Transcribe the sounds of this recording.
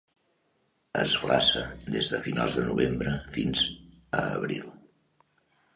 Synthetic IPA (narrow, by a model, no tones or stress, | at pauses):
əzɣlasəd̪ezðəfinalˠzðənuβembɾəfinz | əːβɾilˠ